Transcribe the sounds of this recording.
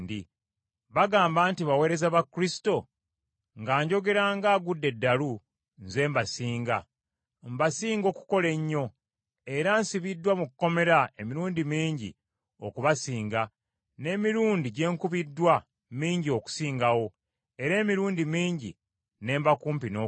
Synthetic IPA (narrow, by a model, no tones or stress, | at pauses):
di | βaɡaːmbaːntiβawe̞ːɾe̞zaβakːɾisi̥to̞ | ŋɡaːɲɟo̞ɡe̞ɾaːŋɡaːɡudːe̞dːalu | nze̞ːmbasiːŋɡa̰ | mbasiːŋɡo̞ːku̥ko̞le̞ɲːo̞ | e̞ɾansiβidːwamukkːo̞me̞ɾae̞miɾuːndimiːɲɟḭ | okuβasiːŋɡa | ne̞ːmiɾuːndiɟe̞ːŋkuβidːwa | miːɲɟio̞ku̥siːŋɡawo̞ | e̞ɾe̞ːmiɾuːndimiːɲɟḭ | ne̞ːmbakuːmpino